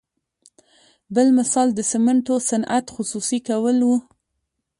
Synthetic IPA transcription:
bəlmɪsɑld̪əsɪmaɳʈosanʔa̰t̪xʊsusikawəlwu

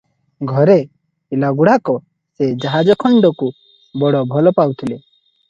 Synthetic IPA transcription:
ɡʱɔɾe | pilaɡuɽ̤akɔ | sed͡ʒaɦad͡ʒɔkʰɔɳɖɔku | bɔɽɔbʱɔlɔpawt̪ʰile

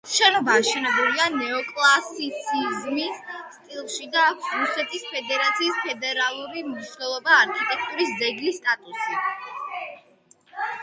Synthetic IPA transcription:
ʃɛnɔbaːʃɛnɛbulianɛɔkʼlˠasit̪sʰizmisst̪ʼilˠʃid̪akʰsɾusɛt̪ʰispʰɛd̪ɛɾat̪sʰiːspʰɛd̪ɛɾalˠuɾimniʃnɛlˠɔbaːɾkʰit̪ʼɛk̚ʰt̪ʼuɾisd̪zɛɡlist̪ʼat̪ʼusi

